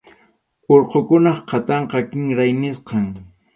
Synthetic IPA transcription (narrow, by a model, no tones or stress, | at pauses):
oɾqokʊnɑχqɑt̪ɑɴqɑkɪŋɾajnɪsqɑŋ